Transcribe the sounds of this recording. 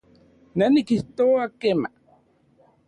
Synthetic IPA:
nanikiht̪oakema̰

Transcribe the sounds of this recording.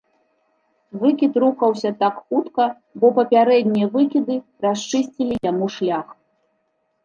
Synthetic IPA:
vɨkʲit̪ɾuxɐwsʲɐt̪akxut̪kɐ | bɔpɐpʲaɾɛd̪ʲnʲijɛvɨkʲid̪ɨ | rast͡ʂɨsʲt͡sʲilʲijamuʂlʲax

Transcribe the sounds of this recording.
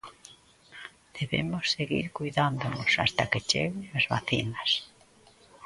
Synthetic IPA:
d̪̥eβḛmosːeɣḭɾkujðand̪onosa̰st̪aket͡ʃeɣeŋazβa̰θinas

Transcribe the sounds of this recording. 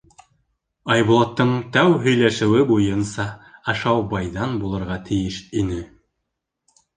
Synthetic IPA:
ɑjβulˠɑt̪ːɤɴt̪æwɦɵ̆jlæʃɘ̆wɘbujɤnsɑɑʃɑwbɑjðɑnbulˠɤ̆ɾʁɑt̪ʰɘ̆jɘʃinɘ

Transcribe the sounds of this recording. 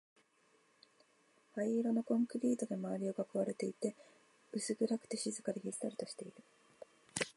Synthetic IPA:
haiɾono̞kõ̞ŋkɯ̟ɾʲiːt̪o̞d̪e̞maβaɾʲioɡakaβaɾe̞t̪e̞it̪e̞ | ɯ̟sɨɡɯ̟ɾakɯ̟̥t̪e̞ɕizɨkaɾeçisɨ̥t̪aɾɯ̟t̪o̞ɕi̥t̪e̞iɾɯ̟

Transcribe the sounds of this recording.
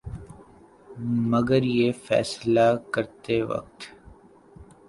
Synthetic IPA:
mɐɡəɾjefɛ̰ːslakəɾt̪eʋɐ̰k̚t̪

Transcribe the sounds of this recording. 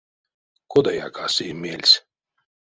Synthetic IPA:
kɔd̪aja̰ːkaːsiːmʲiɛlʲsʲ

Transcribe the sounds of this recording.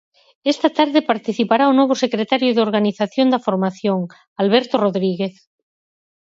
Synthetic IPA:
est̪at̪aɾðepaɾt̪iθipaɾaonoβ̞osekɾet̪aɾjoðeoɾɣaniθaθjond̪afoɾmaθjoŋ | alβeɾt̪oroðɾiɣeθ

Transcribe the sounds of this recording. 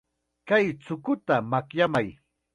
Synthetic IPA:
kajt͡sʊkʊt̪amakjamaj

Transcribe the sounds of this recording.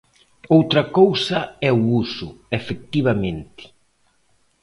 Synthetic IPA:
owt̪ɾɐkowsɐɛuusʊefek̚t̪iβ̞amẽnt̪ɪ̥

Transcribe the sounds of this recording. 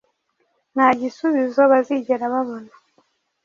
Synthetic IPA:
n̥aɟisuβizo̞βaziɟeɾaβaβo̞na

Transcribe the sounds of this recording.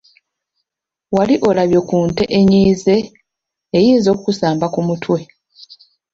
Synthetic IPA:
waliʔo̞laβjo̞kuːnte̞ʔeɲiːze̞ː | jiːnzo̞ːkukusaːmbakumutʰwe

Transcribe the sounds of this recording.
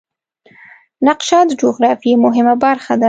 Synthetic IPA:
naqʃɑd̪d͡ʒoɣɾɑfiemʊɦɪmabaɾxad̪a

